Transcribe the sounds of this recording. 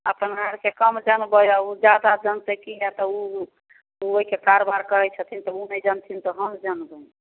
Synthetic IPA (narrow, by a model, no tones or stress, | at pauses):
əpənaɾkekəmd͡ʒənbəjaud͡ʒad̪ad͡ʒənsekijɛt̪ɔu | uoɦikekaɾobaɾkəɦɛt͡ʃʰət̪ʰint̪ɔunɛjd͡ʒənt̪ʰint̪ɔɦəmd͡ʒənbəj